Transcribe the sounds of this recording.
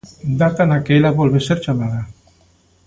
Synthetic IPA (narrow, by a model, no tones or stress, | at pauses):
d̪akanakelabolβeseɾt͡ʃamaða